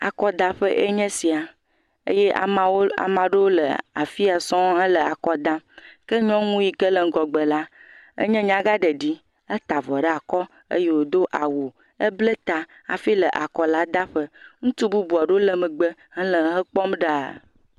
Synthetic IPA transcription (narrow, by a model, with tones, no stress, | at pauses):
a̰˨kɔ˦d̪a˨ɸə˦ʔḛ˦ɲɛ̃˦si˨a˨ | ḛ˦jɛ˦˨˦a̰˨mã˨ɖe˦wo˦lə̰˨a̰˨fi˦a˨sɔ̃˦ə˦lə˨a˨kɔ˦d̪ã˦kə˦ɲɔ̃˦ŋũ˦ji˨kə˦lə˨ŋ̩˨ɡɔ˨ɡ͡bə˨la˦ | ə̰˦ɲɛ̃˦ɲã˦ɡa˦ɖə˨ɖi˦ | ə˦t̪a˨vɔ˨ɖə˦a˨kɔ˦ | ə̰˦je˦wo˦˨d̪o˦ʔa˨wo˨ | ə˦blə˦t̪a˨ | a̰˨fi˦lə˨ʔa˨kɔ˨la˦d̪a˦ɸə˦ŋũ˦t̪u˦bu˦bu˨a˨ɖo˦o˦lə˨mə˨ɡ͡bə˦hə˦lə˨˦ɦə˦k͡pɔ˦mɖa˦˨